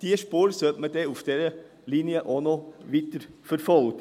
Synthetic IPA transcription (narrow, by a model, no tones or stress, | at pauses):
t̪ʰiːəʂpoːɾsøːpmɛd̪ɛʊft̪eːɾə | lɪnjəʔɔnoːʋɪt̪ːəɾfɔɾfɔlk